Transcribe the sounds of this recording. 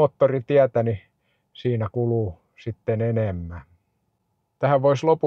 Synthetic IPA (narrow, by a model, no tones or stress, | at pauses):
oːt̪ːorit̪iæt̪æni | siːnækuluˑ | sit̪ːenenemːæˑ | t̪æhæʋʋoislopu